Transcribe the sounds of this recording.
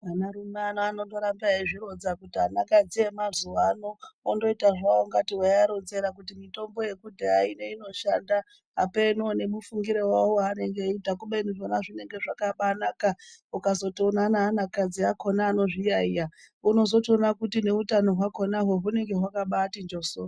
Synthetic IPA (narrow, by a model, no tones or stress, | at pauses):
anaɾumanaːnondo̞ɾambaiʐiɾo̞d͡zakutiɦanakad͡zie̞mazuwanoondo̞itaʐawoŋɡatiwajaɾo̞nze̞ɾak̬utimito̞mbo̞je̞kudʱaaineino̞ʃanda | ɦa̰penone̞mufuŋɡiɾewawoane̞ŋɡeitakuɓenuʐonaʐine̞ŋɡe̞ʐakaɓanakaukazo̞toonanaːnakad͡ziako̞naːno̞ʐijaija | uno̞zo̞tonakutine̞utano̞ɦwakonaɦoɦune̞ŋɡe̞ɦwakaɓaːtind͡ʒo̞so